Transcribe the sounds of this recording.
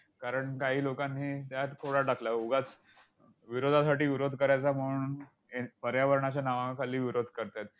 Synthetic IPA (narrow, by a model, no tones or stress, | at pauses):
kaɾəɳkaɦiːlokanɦiːt̪jat̪t̪ʰoɽaʈaklauɡat͡s | ʋiɾod̪ʱasaʈiːʋiɾod̪ʱkəɾajat͡sam̤uuɳn | epəɾjaʋəɾɳat͡ɕanaʋãkʰaliːʋiɾod̪ʱkəɾt̪at̪̚